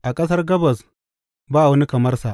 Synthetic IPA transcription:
ʔa˨kʼɐ˦s̬ɐ˦rɡɐ˦bɐ˨s | baː˦a˨wɐ˦ni˦kɐ˨mɐ˦rsa˨

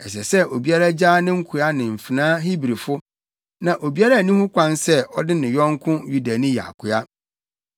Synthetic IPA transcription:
ɛ˨s̬ɛ˨sɛ˦o˨bi˨a˦ɾa˦d͡ʑaː˦nɪ̃˦ŋ̩˦kʰʊ˨a˦nɪ̃˨m̩˨fi˨nãː˦ɦi˦bɾi˨fʊ˦ | nã˨ʔo˨bi˦a˦ɾa˦˨nĩ˦hʊ̃˦kʷã˦nsɛ˦ɔ˦dɪ˦nɪ̃˨jɔ̃˦ŋ˦kʰʊ̃˦ju˦da˨nĩ˦ja̰˨kʰʊ˨a˦

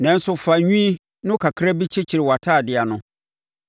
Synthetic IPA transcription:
nɛ̃˨n̩˦sʊ˦fa˨ɲᶣũ˦i˦ | nʊ̃˦kʰa˨kʰɾa˦bi˦t͡ɕʰɪ˦t͡ɕʰi˨ɾɪ˨wa˨tʰaː˦˨dɪ˨a˨nʊ̃˦

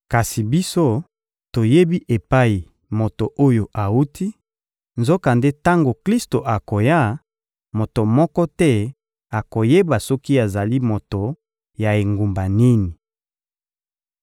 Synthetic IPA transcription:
ka˨si˨bi˦so˦ | to˨je˦bi˦ʔe˨pa˦i˨ | mo˨to˨ʔo˦jo˨ʔa˨u˦tʰi˦ | nzo˦ka˨nde˦ta˦ŋɡo˨kli˦sto˨ʔa˨ko˨ja˦ | mo˨to˨mɔ˦kɔ˦tɛ˦ | a˨ko˨je˦ba˨sɔ˦ki˦a˨za˨li˦mo˨to˨ | ja˨e˨ŋɡu˨mba˨ni˦ni˨

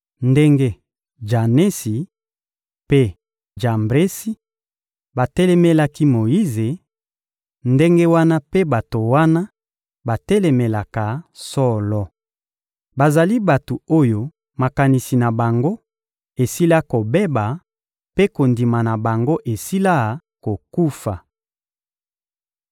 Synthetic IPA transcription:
nde˦ŋɡe˦ | ʒa˨ne˦si˨ | pe˦ | ʒa˨mbʁe˦si˦ | ba˨tɛ˦lɛ˦me˦la˦ki˦mo˨ji˦ze˨ | nde˦ŋɡe˦wa˦na˦pe˦ba˨to˨wa˦na˦ | ba˨tɛ˦lɛ˨me˨la˨ka˨sɔ˦lɔ˦ | ba˨za˨li˦ba˨to˨o˦jo˦ | ma˨ka˨ni˨si˨na˨ba˨ŋɡo˦ | e˨si˦la˦ko˨be˦ba˨ | pe˦ko˨ndi˨ma˨na˨ba˨ŋɡo˦ʔe˨si˦la˦˨ | ko˨ku˦fa˨

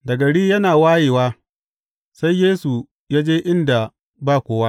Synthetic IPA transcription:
dɐ˨ɡɐ˨ɽiː˦jɐ˦naː˨waː˦jeː˨waː˦ | sa˦jːeː˦su˨ | jaː˦d͡ʒeː˦ʔɪ˦nda˨ | baː˦˨kʷoː˦wa˦

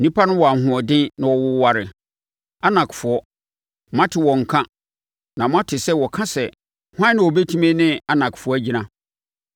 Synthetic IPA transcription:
n̩˨nĩ˦pʰa˦nʊ̃˦wɔ˨a˨ɦʊ̃˨ɔ˨dɪ̃˦nã˨wɔ˨wʊ˦wa˨ɾɪ˨ | a˦nã˨kfʊ˨ɔ˦ | m˦ã˦tʰɪ˨wɔ̃˨ŋ̩˨kʰã˦ | nã˨mʊ̃˦a˦tʰɪ˨sɛ˦wɔ˨kʰã˦sɛ˨ | hʷã˦nɪ̃˨wɔ˨bɛ˦tʰĩ˦mɛ̃˦nɪ̃˦a˨nã˨kɪ̥˨fʊ˨ɔ˦æ˦d͡ʑi˨nã˨

